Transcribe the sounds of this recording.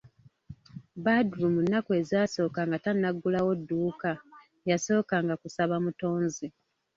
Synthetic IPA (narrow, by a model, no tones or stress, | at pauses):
badɾumunːakue̞zaːso̞ːkaŋɡatanːaɡːulawo̞dːuːka | jaso̞ːkaŋɡakusaβamuto̞ːnzi